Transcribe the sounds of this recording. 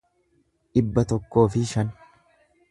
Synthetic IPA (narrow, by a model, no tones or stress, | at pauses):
ʔɪbːɐt̪ɔkːo̞ːfɪʃɐn